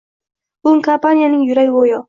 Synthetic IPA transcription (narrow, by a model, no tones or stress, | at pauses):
ʊŋkapananɪjʊɾajwojo